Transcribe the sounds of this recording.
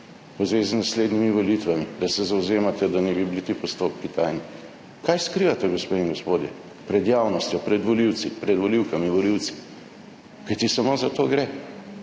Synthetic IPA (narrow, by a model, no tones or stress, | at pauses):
uzʋeːziznasleːd̪nimiʋolit̪ʋamid̪asɛzawzeːmat̪ɛd̪anɛbibilit̪ipɔst̪opkit̪ajni | kajskɾiːʋat̪ɛɡɔspeiŋɡɔspoːd̪jɛ̰ | pɾɛd̪jaːwnɔst̪jɔpɾɛd̪ʋɔliwt̪sipɾɛd̪ʋɔliwkamiʋɔliwt̪si̥ | kajt̪isamozat̪oːɡɾɛ